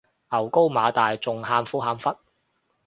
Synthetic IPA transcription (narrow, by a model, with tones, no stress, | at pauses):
ʔɐ˨˩wko˥wmaː˨˧t̪aː˨jt͡sʊ˨ŋɦaː˧mfuː˥ɦaː˨˧mfɐ˥t̚